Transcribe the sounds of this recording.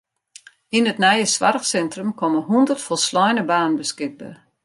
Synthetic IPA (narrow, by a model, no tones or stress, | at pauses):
inətnɛjəsʋa̰rəxsɛntrəmkʰɔməɦundərtfɔlˠslɔjnəbaːnənbəskɪɡ̚bə̰